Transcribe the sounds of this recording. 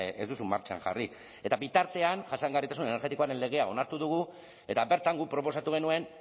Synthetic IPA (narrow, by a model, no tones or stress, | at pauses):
ezd̪usumaɾt͡ʃaa̰ŋʝa̰ri | e̞t̪abit̪aɾt̪e̞anʝasaŋɡarit̪asune̞ne̞ɾɣe̞t̪iko̞aɾe̞nle̞ɣ̞e̞ao̞naɾt̪uðuɣ̞u | e̞t̪abe̞ɾt̪aŋɡupɾo̞po̞sat̪uɣ̞e̞nue̞n